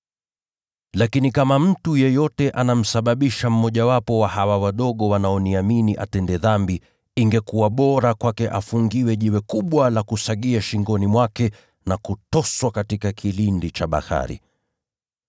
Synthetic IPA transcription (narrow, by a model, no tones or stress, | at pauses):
lakinikamam̩tujɛjɔtɛʔanam̩saɓaɓiʃam̩ːɔʄawapɔwahawawaɗɔɠɔwanaɔniaminiʔa̰tɛndɛðambi | iŋɡɛkuwaɓɔɾakwakɛʔafuŋɡiwɛʄiwɛkuɓwalakusaɠiaʃiŋɡɔnimwakɛ | nakutɔswakatikakʰilindit͡ʃaɓa̰ha̰ɾḭ